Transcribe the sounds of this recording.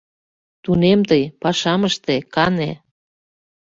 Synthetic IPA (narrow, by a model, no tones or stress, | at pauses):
t̪unemt̪əjpɑʃɑməʃt̪ekɑnḛ